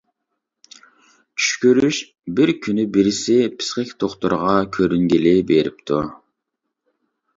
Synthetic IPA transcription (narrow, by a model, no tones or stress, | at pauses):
t͡ʃʰy̥ʃkʲyɾyʃ | bɪɾkʲʰynybiɾɪsɪpʰɪ̥sχɪkʲt̪ʰoχt̪uɾʁɑkʲʰøɾyŋɡʲilɪbeɾɪp̚t̪ʰu